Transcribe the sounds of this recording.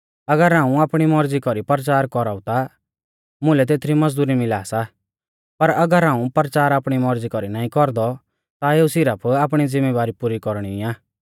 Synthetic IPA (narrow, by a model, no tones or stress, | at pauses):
ɐɡəɾãːũaːpɽ̃imɔɾd͡zikɔɾipəɾt͡ʃaːɾkɔɾaːʊt̪a | mʊ̃lɛt̪eːt̪ʰɾimɐd͡zd̪uːɾimɪlaːsa | pɐɾɐɡəɾɦãːũpəɾt͡ʃaːɾaːpɽ̃imɔɾd͡zikɔɾinaːĩkɔɾd̪ɔ | t̪aeːusɪɾəpʰaːp̬ɽ̃id͡zɪmːeːʋaːɾipuːɾikɔɾɽ̃iaː